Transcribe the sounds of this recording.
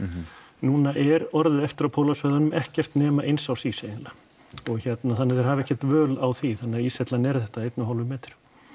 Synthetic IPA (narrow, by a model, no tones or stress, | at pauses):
nuːnaʔɛɾɔɾðɪðɛft̪ɪɾawpʰowlasvœːðanʏmɛhcɛr̥t̪nɛːmaʔejnsawsiseɪnla | ɔɣçɛt̪naθanːɪðɛɾ̥haːvɪɛhcɛt̪vœːlawθiθanːɪaiːsɛt̪lanɛɾ̥θɛht̪aejt̪nʏɦawlvʏmːɛːt̪ɪ̥ɾ̥